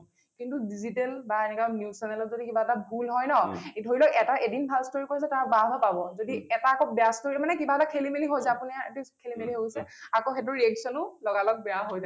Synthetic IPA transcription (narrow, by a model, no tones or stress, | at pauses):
kintudizitɛlbaenɛkwanjusɛnɛlɔzodikibaɛtabʱulɦɔjnɔdʱoɹilɔʔɛtaʔedinbʱalstoɹikois̬ɛtababapabɔzodiɛtakɔbɛastoɹimanɛkibaɛtakʰelimeliɦos̬ɛapuniaetukʰelimeliɦosɛakoxet̬ʊɹiɛksɔnʊlɔɡalɔk̚bɛjaɦojza